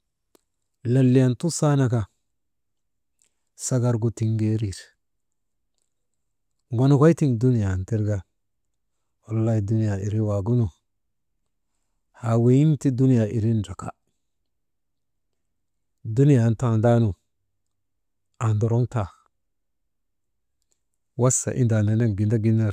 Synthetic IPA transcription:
la˨lːi˨ja˨ntu˦sa˦na˨ka˨ | sa˦ɡa˨ɾɡu˨ti˨ŋɡe˦ɾi˨ɾ | ɡo˨na˨kʷa˦i˦ti˦ndu˦ni˨ja˨nti˦ɾɡa˦ | wa˨lːa˦hi˨du˦ni˦ja˨i˨ɾi˦wa˨ɡu˦nu˨ | ha˨we˨˦ji˦nti˦du˦ni˦ja˨ʔi˨ɾi˦nd͡ʒa˨ka̰˦ | du˦ni˦ja˨n˦ta˦˨nda˦nu˨ | a˨ndo˨ɾo˦ŋta˨ | wa˦sa̰˨ʔḭ˦nda˨ne˨ne˦ɡi˨nda˦ɡi˦ne˨ɾ

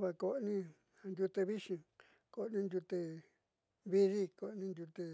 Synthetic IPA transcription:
βa˧ko˧ʔnĩ˦ | a˧nd̪ʲu˧t̪e˧βi˦ʂĩ˧ | ko˨ʔnĩ˦nd̪ʲu˧t̪e˧ | βi˦ði˦ko˨ʔnĩ˧nd̪ʲu˧t̪e˧

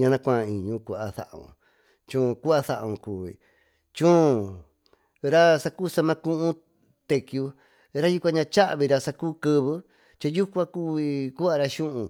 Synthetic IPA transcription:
ɲã˧nã˧kʷã˦˧˨ĩ˨ɲũ˧˦ku˧a˧θa̰˨ʔṵ̃˨ | t͡ʃũː˧ku˦a˧θa˧ʔõ˧kuː˨ḭ˨ | t͡ʃũ˦ | ɾa˦sa˧kuː˦sa˧mã˧kũ˦ʔũ˦ | t̪e˧kju˧ | ɾa˦ju˧˦kʷã˧ɲã˧t͡ʃa˦ʔβi˧ɾa˧sa˧kuː˦kɨ˧βɨ˦ | t͡ʃa˧ju˦kʷã˦ku˦i˧ku˦a˧ɾa˧ʃũ˦ʔũ˧

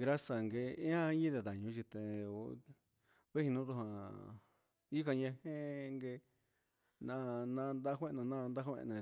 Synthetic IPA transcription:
ɡɾa˦sa˨ŋɡe˧˦ã˦ɲĩ˦ðe˧˨ða˨ɲũ˧˦t͡ʃi˧t̪e˧o˧ | βe˦hĩ˧nũ˦t̪u˧ɦã˧ | i˦ka˧ɲẽ˧hẽ˦˧ŋɡe˧ | nã˧nã˧nd̪a˧˦kʷẽ˦˧nõ˧nã˦˧nd̪a˦hḛ̃˧ẽ˧˨

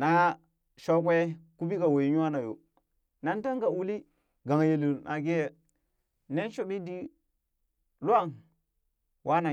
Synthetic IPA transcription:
na˨˦ | ʃo˦k̬ʷe˦ku˦bi˦ka˨wo˨i˨ɲu˦a˦na˨jo̰˨ | na˦n˦ta˦ŋɡa˨u˦li˦ | ɡa˨ŋ˨je˨lu˨nʔa˨ɡe˦je˦ | ne˦n˦ʃo˨ɓi˦di˦ | lu˦a˦˨ŋ | wʔa˦na˨

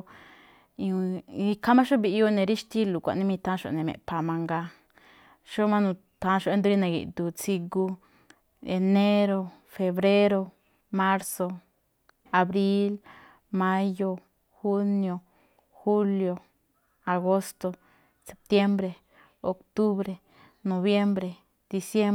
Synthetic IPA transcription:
i˧kʰa˦mã˦ʃo˦bi˧jo˧nẽ˨ɾi˦ʃt̪i˦lu˨kʷa̰˨ʔnĩ˦mĩ˧t̪ã˦ʃo̰˨nẽ˨mḛ̃˨pa˨mã˧ŋɡa˧ | ʃo˦mã˦nũ˧ | t̪ã˧˦ʃo˧e˧˦nd̪u˦ɾi˦nẽ˨ɡḭ˨ʔd̪u˨t͡si˧ɡu˧ | e˨ne˦ɾo˧ | fe˧βɾe˦ɾo˧ | ma˦ɾso˧ | a˨bɾi˦l | ma˦jo˧ | xu˦njo˧ | xu˦ljo˧ | a˨ɡo˦st̪o˧ | se˨p̚t̪je˦mbɾe˨ | o˨kt̪u˦bɾe˨ | no˨βje˦mbɾe˨ | d̪̥i˨sje˦

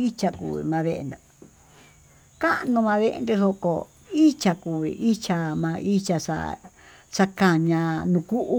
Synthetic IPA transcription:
i˦t͡ʃa˧kṵ˨βḭ˨mã˧βe˧ʔḛ˧nd̪a˨ | ka˦ʔnũ˧mã˧βe˧ʔḛ˧nd̪e˧so˧ko̰˨ | i˦t͡ʃa˧ku˨βḭ˨ʔi˦t͡ʃa˧mã˧ʔi˦t͡ʃa˧ʂa̰˧ | sa˧ka˧ɲã˧nũ˧ku˦ʔu˦

